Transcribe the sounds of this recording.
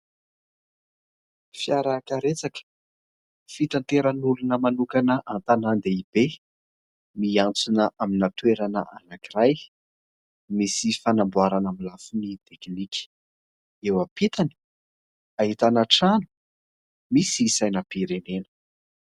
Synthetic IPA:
fjaɾakaɾet͡sakə̥ | fit̪ant̪eɾənulunəmanukanəʔant̪anand̪eib̥e | miant͡sunəʔaminat̪weɾanə̰ʔa̰nakiɾaj | misifanambwaɾanamilafunit̪ekniki̥ | ewapit̪ani̥ | ait̪anaʈ͡ʂanu̥ | misiːsajnəpiɾenenə̥

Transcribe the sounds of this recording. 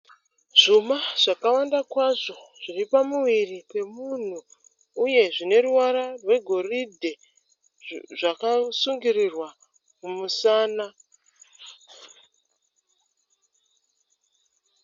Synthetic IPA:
ʐ̥umaʐ̥akawandakwaʐo̞ʐ̥iripamuʋiripwe̞mun̤uː | je̞ʐine̞ruwaɾarwe̞ɡʱo̞ridʱe̞ | ʐakasuŋɡirirwa | mumusaːna

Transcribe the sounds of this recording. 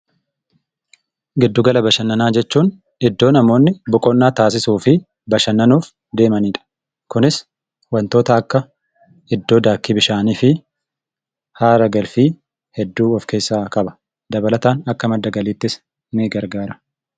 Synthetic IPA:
ɡɪd̪ːʊɡɐlɐbɐʃɐnːɐnaːd͡ʒɛt͡ʃːuːn | ɪd̪ːo̞ːnɐmo̞ːnːɪbʊkʼɔnːaːt̪aːs̬ɪsuːfɪ | bɐʃɐnːɐnuːf | d̪e̞ːmɐniːᶑɐ̥ | kʊnɪs | wɐnt̪o̞ːt̪ɐːkːɐ | ɪd̪ːo̞ːd̪aːkːibɪʃaːniːfɪ | haːɾɐɡɐlfiː | hɛd̪ːuːɔfke̞ːsːaːkʼɐbɐ̥ | d̪ɐbɐlɐt̪aːnɐkːɐmɐd̪ːɐɡɐliːt̪ːɪs | niːɡɐɾɡaːɾɐ̥

